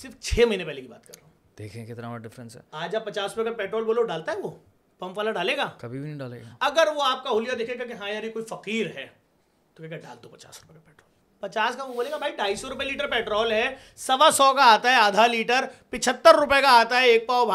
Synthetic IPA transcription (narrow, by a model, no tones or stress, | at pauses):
sɪɾft͡ʃʰeːmɐɦiːnepɛɦlekiba̰ːt̪kɐɾːe | d̪̥eːkʰẽkɪt̪naɖɪfɾə̃nsɦɛ̰ːaːd͡ʒaːpɐt͡ʃaːsɾʊpekapɛːʈɾɔːlboːloɖaːlt̪aɦɛʋo | pɐ̃mpaːlaɖaːleːɡaːkɐbʱibʱinɐɦĩɖaːlḛːɡaɐɡəɾʋoaːp̚kaɦʊlijad̪eːkʰnekakeɦãjaːɾikoːifɐqiːɾɦɛː | t̪okɛaːkɛɖa̰ːlt̪opɐt͡ʃa̰ːsɾʊpekapɛːʈɾɔːl | pɐt͡ʃaːskaʋoboːleːɡabʱaːiɖaːisɔɾʊpeliːʈəɾpɛːʈɾɔːlɦɛ | sɐʋasɔːkaaːt̪aɦɛaːd̪ʱaliːʈəɾpɪt͡ʃʰət̪ːəɾːʊpekaaːt̪aɦɛeːk̚paobʱ